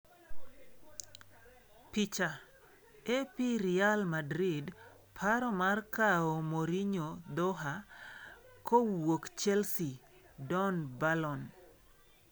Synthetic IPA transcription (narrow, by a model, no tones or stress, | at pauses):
pit͡ʃa | epiɾialmadɾid | pʰaɾɔmarkaomoɾiɲod̪ɔɦa | kowwokt͡ʃɛlsi | dɔnbalɔn